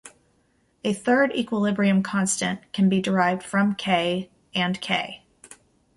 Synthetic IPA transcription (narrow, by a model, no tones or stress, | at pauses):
ɨθɜ˞ɾḭkwəlɪbɹiɨ̃mkʰɑ̃nstɨ̃nkʰɨ̃n̩bidə˞aɪvd̥fɹʌ̃mkʰeɪ | ɨ̃nkʰeɪ